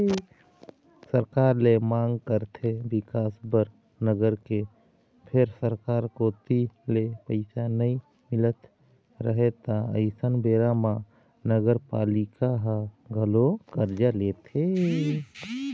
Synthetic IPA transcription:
səɾkaːɾlemãŋɡkəɾt̪ʰebɪkaːsbəɾ | nəɡəɾke | pʰɪɾsəɾkaːɾkot̪ilepəɪsanəi | mɪlət̪ | ɾəɦet̪aə̰ɪsənbeɾama | nəɡəɾpaːlɪkaɦəɡʱəlokəɾd͡ʒalet̪ʰe

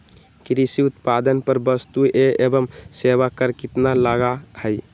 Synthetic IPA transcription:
kɾisiut̪pad̪ənpəɾbəst̪ueebəmseʋakəɾkit̪nalaɡahəj

